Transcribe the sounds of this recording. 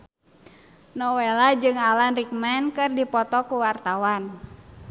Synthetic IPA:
nɔwɛlad͡ʒɨŋalanrik̚mɛnkɨrdipɔt̪ɔkuwart̪awan

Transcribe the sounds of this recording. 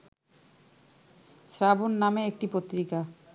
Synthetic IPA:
sɾabonːameek̚ʈipot̪ːɾika

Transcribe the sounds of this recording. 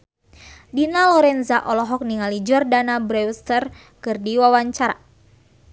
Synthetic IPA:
dinalɔɾɛnzaʔɔlɔɦɔk̚niŋalid͡ʒɔrdanabɾɛwst̪ər | kɨrdiwawaɲt͡ʃaɾa̰

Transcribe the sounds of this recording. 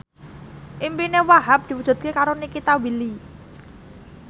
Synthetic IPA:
ʔimpinewaɦap̚d̪̥i̤wud̥ʒ̥ṳt̪̚kekaɾonikit̪awili

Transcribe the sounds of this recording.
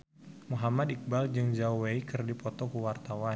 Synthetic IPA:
muɦamad̪ik̚bald͡ʒɨŋd͡ʒauweikɨrdipɔt̪ɔkuwart̪awa

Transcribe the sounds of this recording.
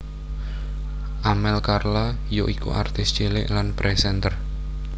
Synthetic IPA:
ʔamɛlkarlajoʔikṵʔa̰rt̪ɪst͡ʃelɪ̰ʔlanpɾʔɛsɛnt̪ər

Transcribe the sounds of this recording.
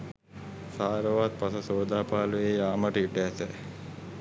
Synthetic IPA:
saːɾəʋaːt̪̚pasɐsoːd̪aːpaːlueːjaːməʈiɖɛːt̪ɛ

